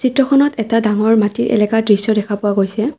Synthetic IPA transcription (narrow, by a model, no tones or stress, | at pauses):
sitɹɔkʰɔnɔtɛtadaŋɔɹmatiɹʔɛ̰lɛkadɹisjɔdɛkʰapʊwaɡojsɛ